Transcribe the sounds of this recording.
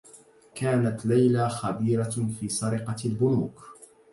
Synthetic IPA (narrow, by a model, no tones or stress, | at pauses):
kaːnat̪lajlaːxabiːɾafiːsˤɑɾɪqɑlbʊnuːk